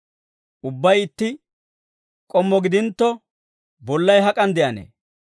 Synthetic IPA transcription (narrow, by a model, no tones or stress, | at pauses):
ʔʊbːɐjɪt̪ːɪ | kʼɔmːɔɡɪd̪ɪnt̪ːɔ | bɔlːɐjɦɐkʼɐnd̪ɛʔɐnḛː